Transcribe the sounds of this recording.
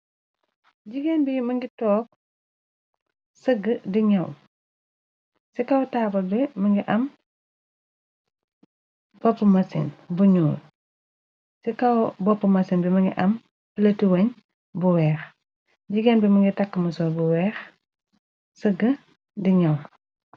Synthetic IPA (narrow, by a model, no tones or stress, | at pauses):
ɟiɡɛnbimɐŋɡitɔːk̚ | səɡədiɲɐw | sikɐwtaːbɐlbɛmɐŋɡiʔɐm | b̥ɔpːəmɐsḭnbuɲuːl | sikɐwbɔpːəmɐsinbimɐŋɡiʔɐm | pilɐtiwɐɲ | buwɛːx | ɟiɡɛːnbimɐŋɡitakːəmɐsɔbuwɛːx | səɡə | diɲɐw